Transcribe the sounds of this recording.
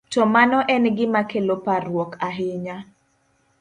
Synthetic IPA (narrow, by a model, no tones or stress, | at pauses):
tɔmanɔʔɛnɡɪmakeloparwɔkaɦɪɲa